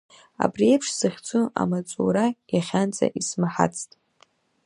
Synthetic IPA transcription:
a̰briejpʰʂsɨχʲt͡sʰʼua̰mat͡sʼuɾajaχʲant͡sʼa̰ʔismaħa̰t͡sʰtʼ

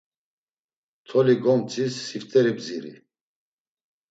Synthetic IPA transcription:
t̪ʰɔliɡɔmt͡sʰʼisːift̪ʼɛɾibziɾḭ

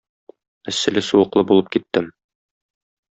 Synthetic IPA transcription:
ɘ̆sːɘ̆lɘsuwɤ̆qlˠɤbulˠɤp̚kit̪ːɘm

